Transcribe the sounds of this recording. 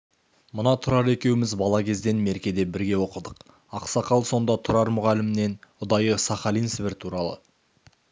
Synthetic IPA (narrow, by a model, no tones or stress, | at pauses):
mənɑt̪ʰʊɾɑɾe̞kʲe̞wɪmɪzbɑlˠɑkʲʰe̞zd̪e̞nme̞ɾkʲe̞d̪e̞bɪɾɡʲe̞wo̞qəd̪əq | ɑqsɑqɑlˠso̞nd̪ɑt̪ʰʊɾɑɾmʊʁɑlɪmɪne̞nʊd̪ɑjəsɑχɑlijnsbɪɾt̪ʰuɾɑlˠə̰